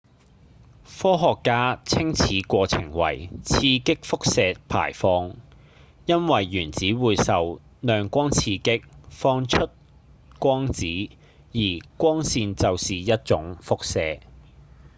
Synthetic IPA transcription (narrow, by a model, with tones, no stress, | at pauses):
fɔː˥ɦɔː˨kːaː˥t͡sʰɪ˥ŋt͡sʰiː˨˥kʷɔː˧t͡sʰɪ˨˩ŋwɐ̰˨˩jt͡sʰiː˧kɪ˥k̚fʊ˥k̚sɛː˨˧pʰa̰ː˨˩jfɔː˧ŋ | jɐ˥nwɐ˨jːyː˨˩nt͡siː˨˥wuː˨˧jsɐ˨w | nœː˨˧ŋkʷɔː˥ŋt͡sʰiː˧kɪ˥k̚fɔː˧˥ŋt͡ʃʰɵ˥t̚ | kʷɔː˥ŋt͡siː˨˥ | jiː˨˩kʷɔː˥ŋsiː˧nt͡sɐ˨wsiː˨jɐ˥t̚t͡ʃʊ˨˥ŋfʊ˥k̚sɛː˨˧